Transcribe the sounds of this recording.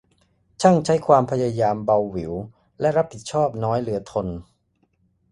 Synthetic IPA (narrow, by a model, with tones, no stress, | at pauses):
t͡ɕʰa˥˩ŋt͡ɕʰa˦˥jkʰwaː˧mpʰa˧jaː˧jaː˧mba˧wːi˩˦w | lɛ˦˥ʔɾa˦˥p̚hi˨˩t̪̚t͡ɕʰɔː˥˩p̚nɔː˦˥jlɯ˩˦ɐt̪ʰo˧n